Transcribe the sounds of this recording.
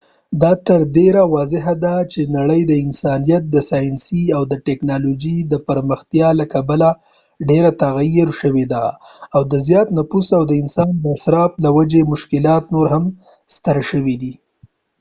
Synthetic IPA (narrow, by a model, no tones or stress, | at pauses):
d̪ɑt̪əɾɖeɾawɑzɪɦad̪at͡ʃenaɽəjd̪əɪnsɑnijat̪̚d̪əsɑjɪnsiawd̪əʈɛknɑlod͡ʒid̪əpəɾməxt̪jɑlakabala | ɖeɾat̪aɣajeɾʃəwed̪aːwd̪əzjɑt̪napusawd̪əɪnsɑnd̪əasɾɑplawad͡ʒemʊʃkɪlɑt̪noɾɦam | st̪əɾʃəwid̪i